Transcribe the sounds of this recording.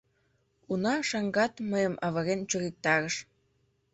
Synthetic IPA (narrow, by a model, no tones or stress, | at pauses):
unɑʃɑŋɡɑt̪məjə̆mʔɑβɤ̆ɾent͡ɕuɣik̚t̪ɑɾə̆ʃ